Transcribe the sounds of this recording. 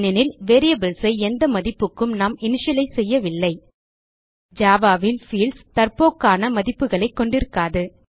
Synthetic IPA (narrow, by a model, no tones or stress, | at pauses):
nɪnɪlʋeɾɪjɐbɪlsɐɪɛnd̪ɐmɐðɪpːɯkːɯmnaːmɪnɪʂɐlɐɪsɛjːɐʋɪlːɐɪ | d͡ʒaːʋaːʋɪlfiːlst̪ɐrpoːkːaːnɐmɐðɪpːɯɣɐɭɐɪkːɔɳɖɪɾɯkːaːðɯ